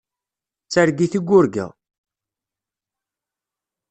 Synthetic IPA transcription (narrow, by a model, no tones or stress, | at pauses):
t͡sːæɾɡiθiɡʷːʊɾɡə̰